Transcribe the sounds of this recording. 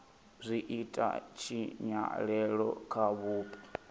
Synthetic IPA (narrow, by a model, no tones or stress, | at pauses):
zʷiʔitʼa̰t͡ʃʰiɲa̰ɺɛɺɔ̰kʰaβuːpʼɔ̥